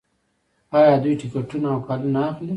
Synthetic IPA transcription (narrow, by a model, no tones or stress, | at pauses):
ɑjɑd̪ujʈɪkaʈunaːwkalunaaxli